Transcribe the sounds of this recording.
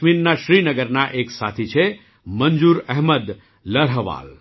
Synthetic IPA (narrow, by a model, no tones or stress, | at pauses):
minnaʃɾinəɡəɾnaʔeksat̪ʰit͡ʃʰe | mənd͡ʒuɾɛɦməd̪ | ləɾɦəʋa̰ːl